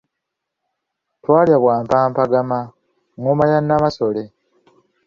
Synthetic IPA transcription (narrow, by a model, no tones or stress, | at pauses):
twaːljaβwaːmpaːmpaɡama | ŋomaɲanːamaso̞le̞